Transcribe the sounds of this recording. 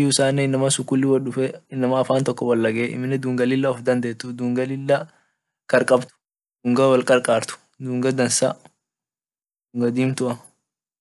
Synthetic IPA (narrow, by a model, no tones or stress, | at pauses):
ʊʊsaːnːɛɪnːɐmɐsʊkːʊlːɪwɐlʊfɛɪnːɐmɐːfaːnt̪ɔkːɔwɐlːɐɡeʔɪ̰mɪnɛd̪uːŋɡɐlɪlːɐɔfd̪ɐnd̪eːt̪ːʊd̪uːŋɡɐlɪlːɐ | kɐɾkʼɐbt̪ʊ̥ | d̪̥uːŋɡɐwɐlkʼɐɾkʼaːɾt̪ʊ̥ | d̪uːŋɡɐd̪ɐnsɐ̰ | d̪uŋɡɐd̪iːmt̪ʊʔɐ